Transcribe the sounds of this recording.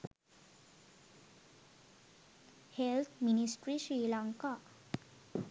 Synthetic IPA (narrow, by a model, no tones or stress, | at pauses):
helt̪ʰminisʈɾiʃiːlaŋka